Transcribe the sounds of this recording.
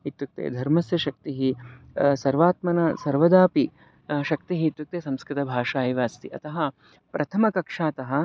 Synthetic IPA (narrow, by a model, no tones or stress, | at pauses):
it̪ːuk̚t̪ḛːd̪ʱɐɾmɐsjɐʃɐk̚t̪iɦisɐɾʋaːt̪mɐnɐsɐɾʋɐd̪aːpi | ʃɐk̚t̪iɦit̪ːuk̚t̪eːsɐ̃mskɾɪt̪ɐbʱaːʂaːjiʋaːst̪iʔɐt̪ɐɦɐ̆ | pɾʔɐt̪ʰɐmɐkɐkʂaːt̪ɐɦɐ̆